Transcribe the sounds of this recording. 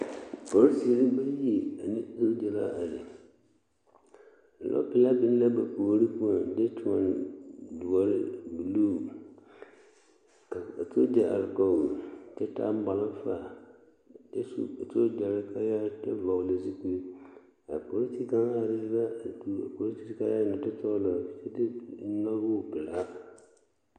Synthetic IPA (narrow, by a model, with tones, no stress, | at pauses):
bɔ˨ɾsi˨ɾi˦ba˦ji˨a˨nɪ˦so˦d͡ʒɛ˨la̰˦a˨lɪ˨ | lɔ̰˦pɪ˦la˦bɪ˦n˦la˦ba˨ko˨˦ɾi˦pu˦a˨dɛ˦tʰu˦a˨ndu˨a˦ɾɪ̰˦bu˨luː˦˨ | ka˨a˨to˦d͡ʒa˨a̰˨ɾɪ˨ka˨wu˨t͡ʃɛ˦ta̰˦m˦ba˨la˦fa˦˨ | d͡ʒɛ˦sto˦d͡ʒa˨ɾka˦ja˦ta˦va˨le˨zi˦ku˨˦ | a̰˨po˨li˦ti˦ka˦ŋ˦a˨dɪ˦ba˦˨tu˦a˨po˨li˦ti̥˦ka˦ja˦nɔ˨tɨ˦tɔ˦lɔ˨˦t͡ʃɛ˦tɪ˦nɔ˦lwo˦˨pɪ˨la˦